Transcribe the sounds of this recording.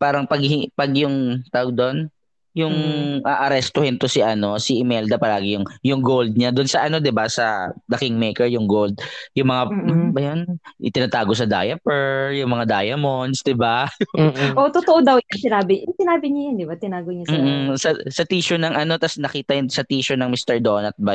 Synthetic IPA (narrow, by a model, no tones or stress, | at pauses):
paːɾɐŋpɐɡhɪpɐɡjʊŋt̪aːwɡ̚d̪o̞n | jʊŋʔaʔɐɾɛst̪ohɪnt̪osɪʔɐno̞sɪʔɪmɛld̪ɐpɐlaːɡɪjʊŋjʊŋɡowld̪̚ɲad̪ʊnsɐʔɐno̞d̪ɪbasɐ̰d̪ɐkɪŋmɛjkɛɹjʊŋɡold̪̚jʊŋmɐŋabɐjont̪ɪnɐt̪aːɡos̬ɐd̪a̰ːjɐpɛɹjʊŋmɐŋad̪a̰ːjɐmonsd̪ɪba | ʔot̪ot̪oʔod̪ɐwjɐnsɪnaːbɪʊŋsɪnaːbɪɲɐjɐnd̪ɪbat̪ɪnaːɡoɲɐsmːʔ̩sɐsɐt̪iːʃʊnɐŋɐno̞t̪ɐsnɐkiːt̪ɐjʊnsɐt̪iːʃʊnɐŋmist̪ɛɹd̪onɐt̪̚bɐ